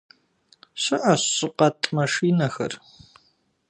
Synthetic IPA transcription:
ɕɨʔɐɕʼɪqɐtʼmɐʂiːnɐxɐ̰r

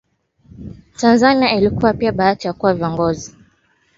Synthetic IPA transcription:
tanzaniailikuwapiaɓaatijakuwaviɔŋɡɔzi

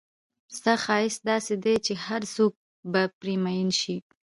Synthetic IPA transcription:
st̪axɑɪsd̪ɑsed̪et͡ʃehaɾsok̚ | bapɾimajinʃi

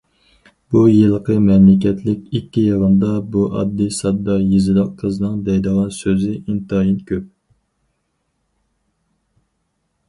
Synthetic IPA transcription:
bujɨlˠqʰəmɛmlɪkʲʰɛt̪ʰlɪkʲikʲːijɑʁənd̪ɑbuʔɑ̰d̪ːisɑd̪ːɑjizɪlɑqqʰəzɨnɨŋd̪ɛjd̪əʁɑnsøzɪʔint̪ɑjinkʲʰøp̚

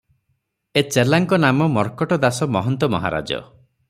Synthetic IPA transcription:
et͡ʃelaŋkɔnamɔmɔɾkɔʈɔd̪asɔmɔɦɔnt̪ɔmɔ̰ɦa̰ɾa̰d͡ʒɔ̰

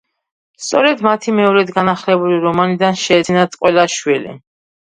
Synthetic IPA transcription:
st̪sʼɔɾɛd̪mat̪ʰimɛɔɾɛd̪ɡanaχlɛbuliɾɔmanid̪anʃɛːt̪sinat̪sʼqʼwɛlaʃwilḭ

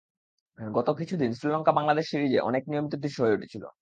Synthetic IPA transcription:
ɡɔt̪okit͡ɕʰud̪insɾilɔŋkabaŋlad̪eʃːiɾid͡ʑeʔɔ̰nek̚nijomit̪od̪iʃoɦoeuʈʰe̥t͡ɕʰilo̰

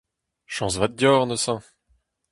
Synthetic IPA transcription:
ʃɑ̃svat̪̚d̪jɔʁnəsã

